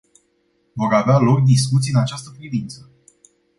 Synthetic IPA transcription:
vo̞ɾavealo̞k̚d̪iskut̪siɨnat͡ʃast̪əpɾivint̪sə

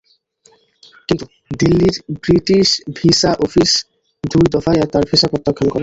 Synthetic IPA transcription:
kint̪u | d̪ilːiɾbɾiʈiʃbʱiʃaʔɔfis | d̪ujd̪ɔfajat̪aɾbʱiʃapɾɔt̪ːakʰːonkɔɾen

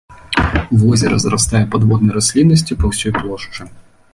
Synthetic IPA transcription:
ʋɔzʲɛɾɐ̰zɾast̪ajɛpad̪vɔd̪̚nɐjɾasʲlʲinːɐsʲt͡sʲipɐwsʲɔjplˠɔʂt͡ʂɨ

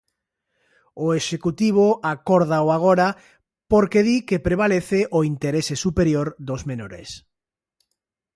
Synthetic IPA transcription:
oeʃekut̪iβ̞oakoɾðaoaɣ̞oɾa | poɾkeðikepɾeβ̞aleθeʔoint̪eɾesesupeɾjoɾd̪ozmenoɾḛs

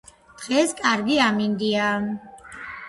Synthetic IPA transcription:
d̪̥ʁɛskʼaɾɡiamind̪ia

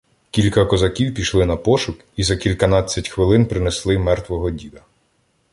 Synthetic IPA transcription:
kʲilʲkɐkɔzɐkʲiwpʲiʃlˠɪnɐpɔʃʊk | izɐkʲilʲkɐnɑt͡sʲːɐtʲxʋɪlˠɪnpɾɪneslˠɪmɛrt̪ʋɔɦɔdʲid̪ɐ

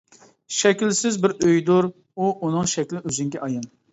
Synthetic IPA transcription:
ʃɛkʲilsɪzbɪɾøjd̪uɾ | uʔunɨŋʃɛkʲlɪøzɪŋɡʲɛʔɑjɑn

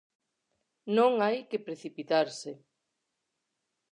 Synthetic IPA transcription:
nõŋajkɪpɾeθipit̪aɾsɪ

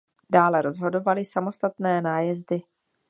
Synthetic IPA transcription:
d̥aːlɛɾo̞zɦo̞do̞valɪsamo̞st̪at̪nɛːnaːjɛzdɪ

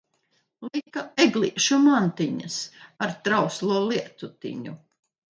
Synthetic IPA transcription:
likːaɛɡlˠḭʃumant̪iɲɐsaɾt̪ɾawslˠuɔlˠiɛt̪ut̪ḭɲu

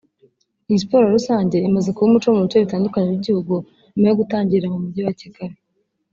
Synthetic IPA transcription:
ijispo̞ːɾaɾusaːɲɟe̞imaze̞kuβumut͡ʃo̞muβit͡ʃo̞βitaːndukaɲeɾiɟihuɡu | imajoɡutaːɲɟiɾamumubɟiwacikaɾe

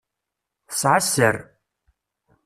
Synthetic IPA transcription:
θə̥sʕasːəɾ

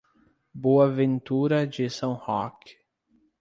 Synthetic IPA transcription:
boɐvẽnt̪uɾɐd͡ʒɪsɐ̃w̃hɔk

